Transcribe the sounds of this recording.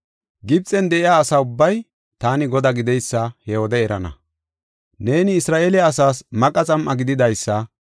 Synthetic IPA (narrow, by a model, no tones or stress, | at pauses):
ɡɪb̚t͡sʼːɛnd̪ɛʔɪjaːsaʊbːɐj | t̪aːnɪɡɔd̪aɡɪd̪ɛjsːɐhɛhod̪ɛɛɾɐ̰nɐ̰ | neːnɪːsɾaːʔelːsaːsmɐkʼːɐt͡sʼɐmʔɐɡɪd̪ɪd̪ɐjsːɐ